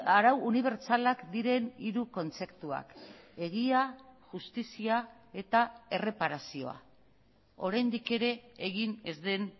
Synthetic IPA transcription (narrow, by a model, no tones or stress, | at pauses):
aɾawuniβ̞e̞ɾt͡salakd̪iɾe̞niɾuko̞nt͡se̞kt̪ua̰ke̞ɣ̞iaʝust̪isia | e̞t̪ae̞re̞paɾasio̞̰a̰ | o̞ɾajnd̪ike̞ɾe̞ːɣ̞ine̞zd̪e̞n